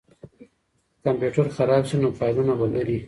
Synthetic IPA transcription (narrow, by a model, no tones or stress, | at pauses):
kampjuʈaɾxaɾɑbʃinopɑjdunabalaɾi